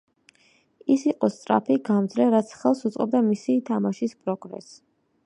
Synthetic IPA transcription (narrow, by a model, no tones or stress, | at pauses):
isiqʼɔst̪sʼɾa̰pʰiɡamd̪zɾɛɾat̪sʰχɛlˠsut̪sʼɔb̚d̪amisit̪ʰamaʃispʼɾɔɡɾɛ̰s